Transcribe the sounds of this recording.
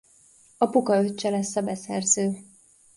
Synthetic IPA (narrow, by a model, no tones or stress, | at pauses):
ɒpukɒøt͡ʃːɛlɛsːɒbɛsɛrzøː